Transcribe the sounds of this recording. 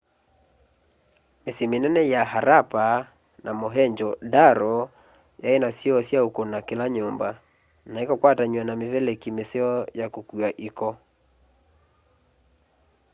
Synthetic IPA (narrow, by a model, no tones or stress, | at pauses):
mesemenɛnɛjaɦaɾapa | namoɦɛɲd͡ʒɔdaɾɔ | jaenasiɔsjaokonakelaɲomba | naekɔkwataɲwanameβɛlekimeseɔjakokuaʔikɔ